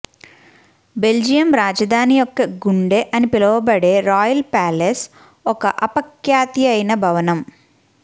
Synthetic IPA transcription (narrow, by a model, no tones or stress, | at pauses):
be̞ld͡ʒijɐmɾaːd͡ʒɐd̪ʱaːnijɔkːɐɡuɳɖeːʔɐnipilɐʋɐbɐɽe̞ːɾaːjɐlpaːles | ɔkɐʔɐpɐkjaːt̪iɐjnɐbʱɐʋɐnɐm